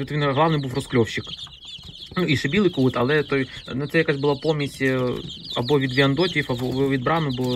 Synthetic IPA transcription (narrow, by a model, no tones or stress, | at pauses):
ɔt̪ɐvʲinɐɣlˠavnɨjbɨfrʊsklʲofɕːɪk | nuiʂɨbʲilˠɨjkuut̪ɐlˠɛt̪ojnʊt̪sɛjʲɐkasʲbɨlˠapomʲɪsʲ | ɐbovʲid̪ʋʲiɐnd̪otʲɪjfɐbvʲid̪̚bɾanʊbɨ